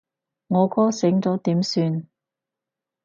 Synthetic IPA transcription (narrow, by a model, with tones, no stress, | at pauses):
ŋɔː˨˧kɔː˥sɪ˨˥ŋt͡sɔː˨˥t̪iː˨˥msyː˧n